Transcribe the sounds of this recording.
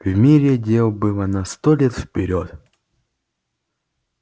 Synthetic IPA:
vmʲiɾʲɪdʲelˠbɨlˠənɐst̪olʲet̪fpʲɪɾʲot̪

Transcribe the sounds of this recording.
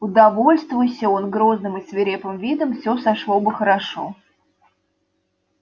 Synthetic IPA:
ʊd̪ɐvo̞lʲst̪vʊjsʲəo̞nɡɾo̞znɨmɨsvʲɪɾʲepɨmvʲid̪əmfsʲosɐʂlˠobɨxəɾɐʂo̰

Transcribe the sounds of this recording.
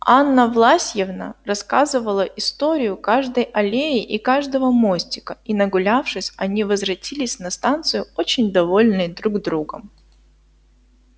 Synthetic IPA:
anːəvlˠasʲjɪvnə̰rɐskazɨvəlˠəʔɪst̪oɾʲɪjʊkaʐd̪əjɐlʲeɪʔikaʐd̪əvəmosʲtʲɪkəinəɡʊlʲafʂɨsʲɐnʲivəzvɾɐtʲilʲɪsʲnɐst̪ant̪sɨjʊot͡ɕɪnʲd̪ɐvo̞lʲnɨjd̪ɾuɡzd̪ɾuɡəm

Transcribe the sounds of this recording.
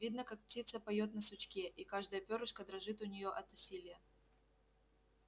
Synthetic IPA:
vʲid̪nəkak̚p̚tʲit̪səpɐjot̪nəsʊt͡ɕkʲeʔikaʐd̪əjəpʲoɾʊʂkəd̪ɾɐʐɨt̪ʊnʲɪjoʔɐt̪ʊsʲilʲɪjə

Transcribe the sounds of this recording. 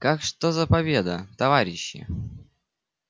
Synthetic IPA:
kakʂt̪ozɐpɐbʲed̪ə̰t̪ɐvaɾʲɪɕːɪ̰

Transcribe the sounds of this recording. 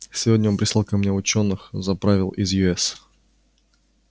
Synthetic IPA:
sʲɪvodʲnʲəonpɾʲɪsˠalˠkɐmnʲeʊt͡ɕo̞nːɨxzɐpɾavʲɪlˠʔɪzjʊɛs

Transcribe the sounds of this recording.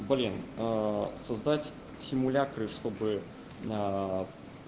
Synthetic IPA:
bɐlʲin | sɐzd̪atʲ | sʲɪmʊlʲakɾɨʂt̪o̞bɨ

